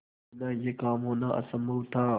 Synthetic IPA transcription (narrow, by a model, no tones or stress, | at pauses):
nãːjekaːmɦõːnãːʔɐ̰sə̃mbuwt̪ʰaː